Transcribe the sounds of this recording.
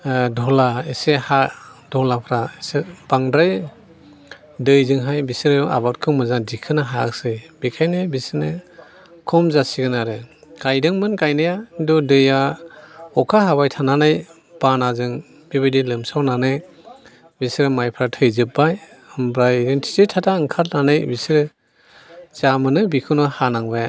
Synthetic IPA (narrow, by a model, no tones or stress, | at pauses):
dɔlaesehadɔlapʰɾaisebaŋdɾaj | dɯjzɯŋɦajbisɾa̰bat̚kʰɯmɯzadikʰɯnaɦak̚sɯjbikʰajnɯjbisne | kʰɔmzasiɡɯnaɾɯkajdɯŋmɯnkajnɯjadɔdɯja | ɔkʰaɦaβajtʰananɯj | b̥anazɯŋ | b̥ibɯdilɯmsawnanɯj | bisɾɯmajpʰɾatʰɯjzɯp̚ːaj | ɯmbɾajɾentʰi̥titʰatʰaɯŋkʰat̚nanɯjbisɾɯ | z̥amɯnɯbikʰɯnɯhanaŋbaja